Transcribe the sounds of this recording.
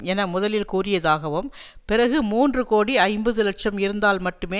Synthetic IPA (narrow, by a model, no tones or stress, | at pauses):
ɛnɐmʊðɐlɪlkuːrɪjɐðaːɣɐʋɯmpɪrɐɣɯmuːndrɯkoːɽiɐɪmbɐðɯlɐʈ̚t͡ʃɐmɪɾɯnd̪aːlmɐʈːɯmeː